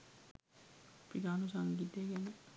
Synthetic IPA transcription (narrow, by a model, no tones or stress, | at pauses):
piɡaːnusaŋɡid̪ːeɡænə